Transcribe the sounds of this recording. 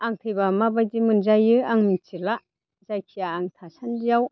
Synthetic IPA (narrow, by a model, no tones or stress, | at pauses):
aŋtʰɯjbamabajdimɯnzajɯaŋmɯnt͡ʃʰila | zajkʰijaːŋtʰasanzijaw